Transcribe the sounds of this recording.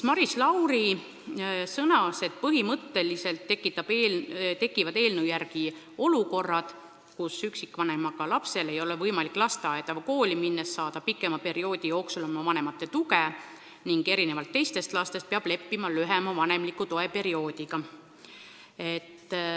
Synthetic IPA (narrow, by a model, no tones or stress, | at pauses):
mɑɾislɑwɾi | sɤnɑse̞d̪̥̚pɤɦimɤt̪ːe̞lise̞lt̪ːekːˑit̪ːˑɑb̥et̪e̞kːˑivɑd̪e̞ːlnujærɡ̥i | o̞luko̞rːɑd̪̥ | kusyksikːvɑnemɑɡ̥ɑlɑpse̞le̞jo̞levɤjmɑlikːˑlɑst̪eɑet̪ɑvɑko̞ːliminːesːɑːd̪̥ɑpikːˑe̞mɑpe̞ɾio̞ːd̪ijo̞ːksulɑmːɑvɑne̞mɑt̪ːˑe̞t̪uke | niŋɡ̥e̞ɾine̞vɑlt̪ːe̞jst̪e̞st̪lɑst̪est̪̚peɑb̥le̞pːimɑlyɦemɑvɑne̞mlikːˑut̪o̞e̞pe̞ɾio̞ːd̪̥iɡ̥ɑ | e̞t̪ːˑ